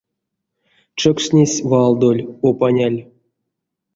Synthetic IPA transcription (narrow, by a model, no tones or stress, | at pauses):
t͡ʃəkʂnʲesʲvɑlˠd̪olʲopanʲalʲ